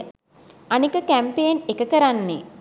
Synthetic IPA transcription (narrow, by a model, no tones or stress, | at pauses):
anikəkæmpeːnekəkəɾanːe